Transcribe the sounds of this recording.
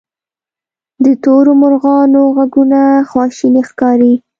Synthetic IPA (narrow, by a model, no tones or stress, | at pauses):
d̪ət̪oɾomʊɾɣɑnoɣaɡunaxwɑʃinexkɑɾi